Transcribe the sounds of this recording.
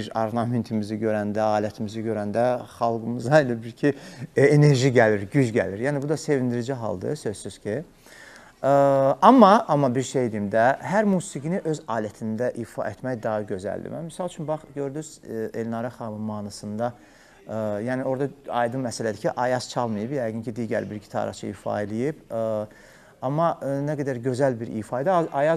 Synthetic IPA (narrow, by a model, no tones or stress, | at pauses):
iɾɑɾnɑment̪ʰimiziɟø̞ɾænd̪æɑːlæt̪ʰimiziɟø̞ɾænd̪æχɑlˠɡɯmɯzɑelæbiɾcʰiene̞ɾʒiɟæliɾɟyd͡ʒɟæ̰liɾjæːnibud̪ɑse̞vind̪iɾid͡ʒiɦɑ̰lˠd̪ɯ̰sø̞zsyz̥cʰi | ɑmːɑʔɑmːɑbiɾʃe̞jd̪iimd̪æɦæɾmuːsiɡiniʔø̞zɑːlæt̪ʰind̪æʔifɑ̰ʔet̪ʰmæjd̪ɑɦɯɟø̞zæ̰ld̪ḭmæ̰mːisɑlˠt͡ʃʰynbɑχɟø̞ɾd̪yz̥elnɑɾɑχɑmɯnmɑːnɑsɯnd̪ɑ | jæːnio̞ɾd̪ɑɑ̰jd̪ɯnmæsælæd̪icʰiʔɑjɑz̥t͡ʃʰɑlˠmɯjɯbjæjɡyncʰid̪iːɟæ̰ɾbiɾɟi̥t̪ʰɑ̰ɾɑ̰t͡ʃʰɯḭːfɑ̰ilijib | ɑmːɑnæɡæd̪æɾɟø̞zælbiɾʔḭːfɑid̪izɑjɑz